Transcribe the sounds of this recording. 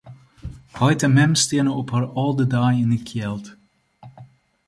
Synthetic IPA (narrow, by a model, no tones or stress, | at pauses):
hɔjtəmɛmsteːnəɔphaɹɔlˠdədajɪnəkʰjɛlˠt